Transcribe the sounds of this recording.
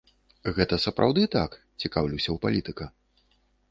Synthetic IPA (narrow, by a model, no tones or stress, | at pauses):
ɣɛt̪ɐsɐpɾʔa̰wd̪ɨt̪ak | t͡sʲikawlʲiwsʲɐwpalʲit̪ɨkɐ